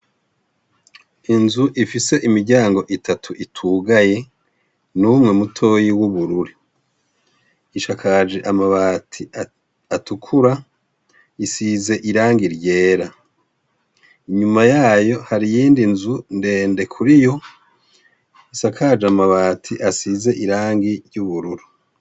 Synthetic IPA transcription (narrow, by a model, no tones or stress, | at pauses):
inzuʔifise̞ʔimiɾɟaːŋɡo̞ʔitatʰuʔitʰuɡaje̞ | numŋe̞mutʰo̞ːjiwuβuɾuɾi | iʃakʰad͡ʒeʔamaβaːtʰi | atukʰuɾa | isize̞ʔiɾaːŋɡiɾɟe̞ːɾa | iɲumajaːjo̞haɾijiːndinzunde̞ːndekʰuɾijo̞ | iʃakʰad͡ʒeamaβaːtʰiʔasize̞ʔiɾaːŋɡiɾjɟuβuɾuɾi